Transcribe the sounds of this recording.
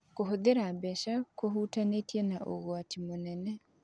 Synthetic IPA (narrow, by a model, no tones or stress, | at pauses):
koɦoðeɾabɛʃakoɦutanetjenaʔoɣoatimonɛnɛ